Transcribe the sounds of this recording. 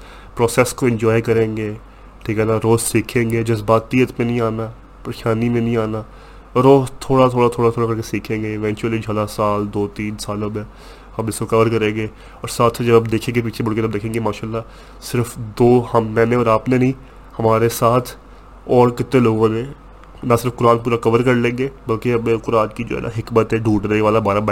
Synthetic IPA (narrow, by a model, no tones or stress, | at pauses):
pɾɔːseːskoɪ̃ɲd͡ʒɔːikɐɾẽːŋɡeː | ʈʰiːkɛnaɾoːzsiːkʰẽːŋɡeːd͡ʒɐzbaːt̪iːət̪mẽnəɦĩaːnaː | pəɾɪʃaːnimẽnĩaːnaː | ɾoːzt̪ʰoːɽat̪ʰoːɽat̪ʰoːɽat̪ʰoːɽakɐɾkesiːkʰẽːŋɡeɪʋɛ̃ːnt͡ʃuəlid͡ʒʱəlasaːld̪oːt̪iːnsaːləbɛː | ɐmɪskokɐʋəɾkɐɾẽːŋɡeː | ɔːɾsaːt̪ʰd͡ʒəbəbd̪eːkʰẽːŋɡepiːt͡ʃʰebʊɽkẽəd̪eːkʰẽːŋɡemaːʃaːlːaː | sɪɾfd̪oːhəmːɛ̃ːneɔːɾaːpnenĩː | hɐmaːɾesaːt̪ʰ | ɔːɾkɪt̪ːẽloːɡõːnẽ | nasɪɾəfkʊɾaːnpuːɾakəʋəɾkəɾlẽːɡeːbəlkeɐbẽkʊɾaːnkid͡ʒo̰ɦɛ̰ːnʔa̰ɦɪkmət̪ɦɛːɖʱuːʈɾəeʋaːlabaːɾab